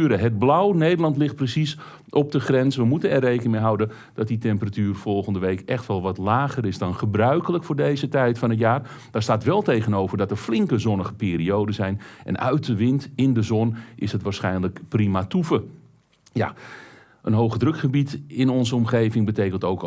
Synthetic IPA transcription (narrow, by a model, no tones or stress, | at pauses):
ɾəɦəd̚blawnejdəlˠɑntlɪxt̚prəsis | ʔɔp̚dəχrɛnsʋəmutənɛrːejkənɪŋmeɦawdə | d̥ɔt̚ditɛmpəratyːrfɔlˠχəndəʋejkɛxtʋɛlˠʋɑtlaːɣəɾɪsdɑnχəbrœɥkələkfʊːrdejzətɛjtfɑnət̬jaːr | daːɹstaːtʋɛlˠtejɣənowvərdɑtərflɪŋkəzɔnəχəpiːriowdəzɛjnʔɛ̰nœ̰ɥt̚dəʋɪntɪndəzɔnʔɪsɦətʋaːɹsχɛjnləkprimatufə | ja̰ | ʔənɦowχədrɵkχəbitɪnɔnzəɔmχejvɪŋbətejkəntowk